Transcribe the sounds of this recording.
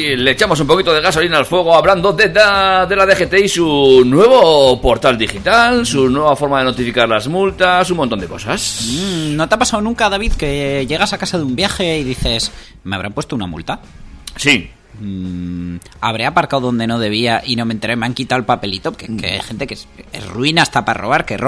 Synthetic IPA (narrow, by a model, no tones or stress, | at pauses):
leːt͡ʃamo̞s̬umpokit̪oðe̞ɣasolinalfwe̞ɣ̞oaβland̪oðeaðe̞laðexet̪eisunwe̞β̞opo̞ɾt̪ald̪ixit̪alsunwe̞β̞afo̞ɾmaðe̞not̪ifikaɾlazmult̪asumõnt̪o̞nd̪e̞ko̞sasno̞t̪eapasawnũŋkaðaβ̞iðke̞ʝe̞ɣ̞asakasaðumbjaxe̞iðiθe̞s | me̞aβɾampwe̞st̪ounamṵlt̪a | si | a̰β̞ɾe̞apaɾkawðo̞nd̪e̞no̞ð̞e̞β̞iaʔino̞ment̪eɾejmeaŋkit̪awelpape̞lit̪o̞kekḛa̰jxe̞nt̪e̞kese̞̰zruinaest̪aparo̞βaɾker